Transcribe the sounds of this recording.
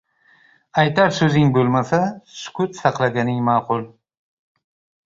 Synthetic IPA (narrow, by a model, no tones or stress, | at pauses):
ajt̪ʰaɾsɵzɪŋbɵlmasasʊ̥kʰʊt̪sɑqlˠaɡʲanɪŋmaːqʊlˠ